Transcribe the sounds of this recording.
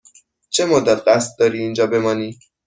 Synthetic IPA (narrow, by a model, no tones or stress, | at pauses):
t͡ʃʰemod̪æt̪ɢæst̪̚d̪ɒːɾiːiːnd͡ʒɒːbe̞mɒːniː